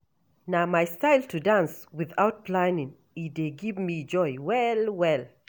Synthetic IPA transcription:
namaɪstaɪltʰudãnswiðaʊt̚plãɪnĩŋ | ideɡivmid͡ʒɔɪwɛlwɛl

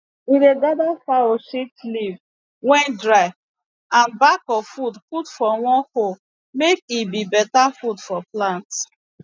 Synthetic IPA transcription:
iɾedadafaoʃitliv | wɛ̃ndɹaɪv | ãnbakɔfudputfɔwɔ̃nho | mek̚ibibɛtafudfɔplãnt

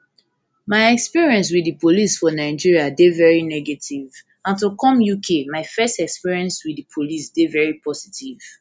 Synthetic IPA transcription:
maɪɛkspiɹiɛ̃ns̬wiðipʰolisfɔnaɪd͡ʒiɹiadevɛɹinɛɡetʰiv | ãntukɔ̃mjukʰemaɪfɛstɛkspiɹiɛ̃nswiðipʰolisdevɛɹipʰɔsi̥tʰiv̥

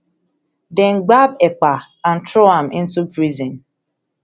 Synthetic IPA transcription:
dɛŋ̩ɡ͡babek͡pa | an̩tɾoamɪ̰n̩tubɾizĩn

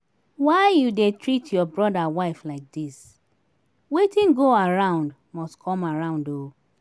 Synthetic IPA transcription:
waɪjudetʰɹitʰjɔbɹɔdawaɪflaɪk̚dis | wetĩnɡoaɹãʊ̃nd | mɔstkʰɔ̃maɹãʊ̃ndo

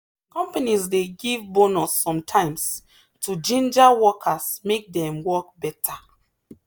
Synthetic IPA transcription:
kɔ̃mpanisdeɡivbonɔsːɔ̃mtʰãɪ̃ms | tʰud͡ʒĩnd͡ʒawɔkʰasmek̚dɛ̃mwɔk̚bɛtʰa

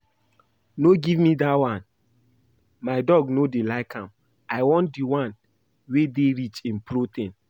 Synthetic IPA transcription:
noɡivmidawãn | maɪdɔɡnodelaɪkãm | aɪwɔ̃ndiwãn | wedeɾit͡ʃĩnpɾotẽn

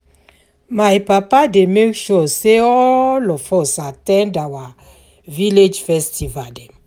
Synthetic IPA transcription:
majpapademekʃɔseɔlɔfɔsatɛ̃ndawa | viled͡ʒfɛstivadɛ

